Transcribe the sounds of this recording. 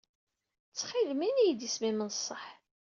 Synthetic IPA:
t͡sːχilminijd̪ismimənsˤːəħ

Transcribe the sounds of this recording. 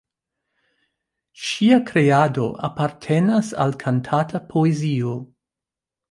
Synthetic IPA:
ʃiakɾe̞ado̞̰ʔa̰paɾtʰe̞nasa̰lkʰantʰatʰapʰoezio

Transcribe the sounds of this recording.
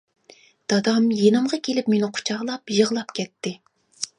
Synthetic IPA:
d̪̥ɑd̪ɑmjenɨmʁɑkʲʰelɪpmenɪqʰʊ̥t͡ʃʰɑʁlˠɑpjəʁlˠɑpkʲʰɛt̪ʰːɪ

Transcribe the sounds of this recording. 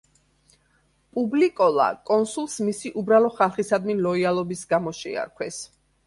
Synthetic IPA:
pʼublikʼɔlˠa̰kʼɔnsulˠsmisiʔubɾalˠɔχalˠχisad̪milɔialˠɔbisɡamɔʃɛ̰a̰ɾkʰwɛs

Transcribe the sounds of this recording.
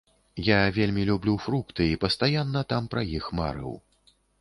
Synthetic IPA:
javʲelʲmʲilʲublʲufɾukt̪ɨipɐst̪ajanːɐt̪ampɾɐjixma̰ɾɨ̰w

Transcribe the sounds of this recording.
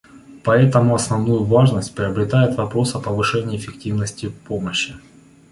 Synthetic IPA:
pɐɛt̪əmʊɐsnɐvnujʊvaʐnəsʲtʲpɾʲɪəbɾʲɪt̪ajɪt̪vɐpɾo̞sɐpəvɨʂɛnʲɪːfʲɪk̚tʲivnəsʲtʲɪpoməɕːɪ

